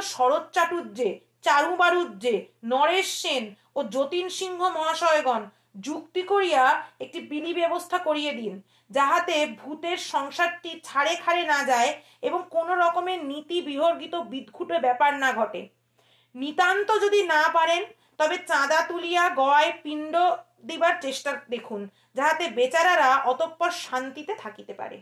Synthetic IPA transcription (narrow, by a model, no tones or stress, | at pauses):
ʃɔɾott͡ɕaʈudːd͡ʑe | t͡ɕaɾũbaɾudd͡ʑenɔɾeʃːen | od͡ʑot̪inʃiŋɡʱomɔɦaʃɔeɡɔn | d͡ʑukt̪ikoɾijaek̚ʈibilibɛbost̪ʰakoɾijed̪in | d͡ʑaɦat̪ebʱut̪eɾʃɔŋʃaɾʈit͡ɕʰaɽekʰaɾenad͡ʑae | eboŋkonoɾɔkomenit̪ibiɦoɾɡit̪obid̪ɡʱuʈebɛpaɾnaɡʱɔʈḛ | nit̪ant̪od͡ʑod̪inapaɾen | t̪ɔbet͡ɕãd̪at̪ulijaɡɔepiɳɖo | d̪ibaɾt͡ɕeʃʈad̪ekʰun | d͡ʑaɦat̪ebet͡ɕaɾaɾaʔɔt̪opːɔɾʃant̪it̪et̪ʰakit̪epa̰ɾḛ